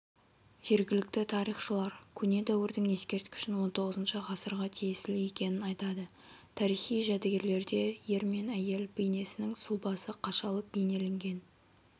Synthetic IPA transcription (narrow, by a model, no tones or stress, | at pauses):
ʒ̥e̞ɾɡʲɪlɪk̚t̪ɪt̪ʰɑɾijχʃəlˠɑɾkʲʰɵne̞d̪æwɪɾd̪ɪŋe̞skʲe̞ɾt̪kʲʰʏ̥ʃɪnwo̞nt̪ʰo̞ʁəzənʃəʁɑsəɾʁɑt̪ʰijesɪleje̞kʲe̞nɪnɑjt̪ɑd̪ə | t̪ʰɑɾijχijʒæd̪eɡʲe̞ɾle̞ɾd̪e̞je̞ɾme̞næje̞lbejne̞sɪnɪŋsʊlˠbɑsəqʰɑʃɑlˠəp̚b̥e̞jne̞le̞ŋɡʲe̞n